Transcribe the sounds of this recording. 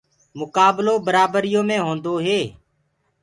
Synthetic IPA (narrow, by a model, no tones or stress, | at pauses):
mʊkaːbloːbəɾaːbəɾɪjõːmẽːɦõːnd̪oːɦeː